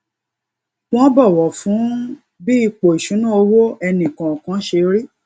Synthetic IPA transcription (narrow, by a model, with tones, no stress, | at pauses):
w̃ɔ̃˦bɔ˦˨wɔ˨fũ˨˦ | bi˦i˧k͡po˨i˨ʃũ˨˦nũ˦o˧wo˦ɛ˧nĩ˨kã˨ɔ˨kã˨˦ʃe˧ɾi˦